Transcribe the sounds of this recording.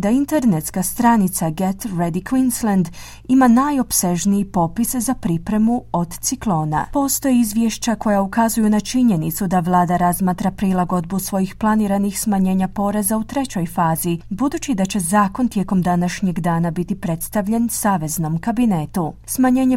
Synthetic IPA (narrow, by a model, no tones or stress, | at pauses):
d̪aint̪eɾnet̪skast̪ɾanit̪saɡet̪ɾed̪ikʋinslend̪ | imanajo̞pse̞ʒniipo̞piszapɾipɾe̞muo̞d̪t̪siklˠo̞ːna̰po̞st̪o̞jeizʋjeʃt͡ɕako̞jaukazujunat͡ʃiɲe̞nit̪sud̪aʋlˠaːd̪aɾazmaːt̪ɾapɾilˠaɡo̞d̪̚busʋo̞jixplˠaniɾanixsmaɲe̞ːɲapo̞ɾe̞zaut̪ɾe̞t͡ɕo̞jfaːzibud̪uːt͡ɕid̪at͡ɕe̞zaːko̞nt̪je̞ko̞md̪anaʃɲe̞ɡd̪aːnabit̪ipɾe̞t̪st̪aʋʎe̞nsaːʋe̞zno̞mkabinet̪usmaɲe̞ːɲe̞